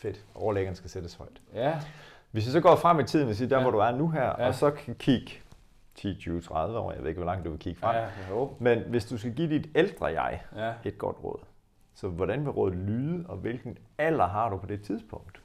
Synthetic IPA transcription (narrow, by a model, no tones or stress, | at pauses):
fed̥ɒːɐleːɡɐnsɡ̥æsed̥əshɒ̽ɪ̰d̥ | ʋe̝sd̥usɒ̽ɡ̥ɒ̰ːfʁam̰i̥t͡sʰiðˠʋes̬iːd̥æɐʋɒɾ̥uæɐnuɦæɐ̰ɒ̽sɒ̽kʰækʰiɡ̥ə | t͡sʰḭːt͡sʰyːt͡sʰʁɑð̞ˠʋəɒ̰ːja̰ɪe̝ðˠeɡ̥ʋɒlɑ̈ŋ̰d̥uʋe̝kʰiɡ̥ə̥fʁɑ̈menʋe̝sd̥usɡ̥æɡ̥ḭːd̥id̥eld̥ʁɐjɑ̈ɪe̝d̥̚ɡ̥ɒ̽d̥ʁɔ̰ːð̞ˠ | sɒ̽ʋɒɾænʋe̝ʁɔ̽ːð̩ˠlyːðˠəʔɒ̽ʋe̝lɡ̥n̩æl̰ɐɦɑ̈ɾ̥upʰɒ̽d̥e̝t͡sʰið̞ˠsb̥ʰɔ̽ŋ̰d̥